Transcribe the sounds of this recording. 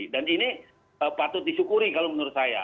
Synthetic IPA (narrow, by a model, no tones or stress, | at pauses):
danini | əpat̪ʊt̪̚disukuɾikalomənəɾʊt̪̚saja̰